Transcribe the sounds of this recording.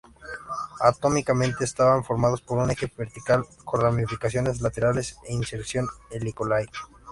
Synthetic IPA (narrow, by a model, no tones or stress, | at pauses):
at̪o̞mikamẽnt̪e̞ːst̪aβaɱfo̞ɾmað̞o̞spo̞ɾune̞xe̞βeɾt̪ikalkonramifikasjo̞ne̞zlat̪e̞ɾale̞seinseɾsjo̞nelikolaj